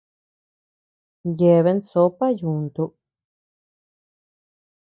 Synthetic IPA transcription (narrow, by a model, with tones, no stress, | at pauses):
je˨βe˧˦nso˧˦pa˦ju˨nt̪u˧˨ʔ